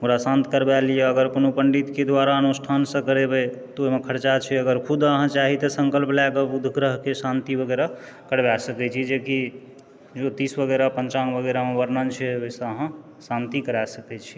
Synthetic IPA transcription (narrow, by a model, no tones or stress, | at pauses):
muɾasãnt̪ikəɾbɛlijeəɡəɾkonopəɳɖit̪ked̪waɾaənusʈʰansə̃kəɾebɛt̪ɔoɦimekʰəɾt͡ʃat͡ʃʰɛəɡəɾkʰud̪əɦãt͡ʃaɦit̪əsəŋkəlplɛɡəbud̪ʱɡɾəɦkesant̪ibəɡɛɾa | kəɽbasəkɛt͡ʃʰid͡ʒeki | d͡ʒot̪isbəɡɛɾapənt͡ʃaŋbəɡəɾamebəɾnənt͡ʃʰɛoisə̃əɦã | sant̪ikəɾasəkɛt͡ʃʰi̥